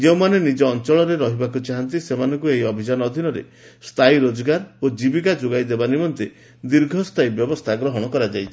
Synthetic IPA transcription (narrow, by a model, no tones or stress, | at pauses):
d͡ʒeũmanenid͡ʒɔːnt͡ʃɔɭɔɾeɾɔɦibakut͡ʃaɦant̪isemanɔŋkueɦiɔbʱid͡ʒanɔɔd̪ʱinɔɾḛ | st̪ʰajɾod͡ʒɔɡaɾod͡ʒibikad͡ʒoɡajd̪ebanimɔnt̪e | d̪iɾɡʱɔst̪ʰajbjɔbɔst̪ʰaɡɾɔɦɔɽ̃ɔkɔɾad͡ʒajt͡ʃʰi̥